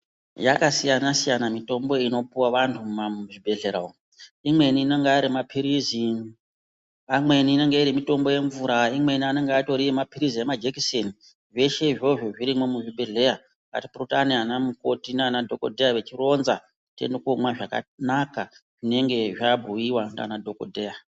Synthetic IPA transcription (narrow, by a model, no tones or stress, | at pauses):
jakasijanasijanamito̞mbo̞ino̞puwaʋantʰumaʐibʱe̞ɮe̞ɾao | imwe̞niːneŋɡeaɾimapʰiɾizi | amwe̞niːne̞ŋɡe̞iɾimito̞mbo̞je̞ɱvuɾaimwe̞niane̞ŋɡeato̞ɾiemapiɾiziemad͡ʒekiseni | ʐe̞ʃe̞iʐo̞ʐo̞ʐiɾimomuʐibʱe̞ɮe̞ja | ka̰tipurotanianamuko̞tinanadʱo̞ko̞̰dʱejaʋe̞t͡ʃiro̞nza | tḛndokomwaʐaka̰nakaʐ̥ine̞ŋɡe̞ʐabʱujiwanda̰nadʱo̞ko̞̰dʱe̞ːja